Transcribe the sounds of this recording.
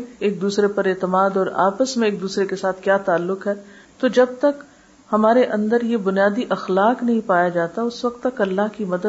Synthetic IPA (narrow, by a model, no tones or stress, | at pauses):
eːk̚d̪uːsɾepɐɾeːt̪əmaːd̪ɔːɾa̰ːpəsmẽeːk̚d̪uːsɾekesaːt̪ʰkjaːt̪aːlːʊqɦɛːt̪od͡ʒɐb̚t̪ɐk | hɐmaːɾeʔɐ̃nd̪əɾjebʊnijaːd̪iʔɐxlaːqnɐɦĩpaːjad͡ʒaːt̪aʊsʋɐq̚t̪ːɐkɐlːaɦkimɐd̪ə